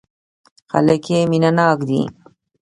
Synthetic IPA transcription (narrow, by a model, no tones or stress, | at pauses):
xa̰ləkeminanɑːkd̪ḭ